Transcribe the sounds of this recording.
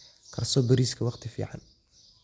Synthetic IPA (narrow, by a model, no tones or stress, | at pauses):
kʰɐrsɔbɐɾiːskʰɐwɑqt̪ʰɪfḭːʕa̰n